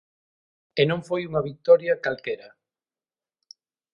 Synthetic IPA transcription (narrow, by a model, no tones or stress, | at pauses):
enõŋfojuŋɐβik̚t̪ɔɾjɐkalkɛɾɐ